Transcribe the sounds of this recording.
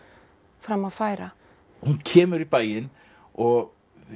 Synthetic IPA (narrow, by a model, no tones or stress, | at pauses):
fɾamːaðfaːjɾa | huncʰɛːmʏɾipaːjɪn | ɔɣ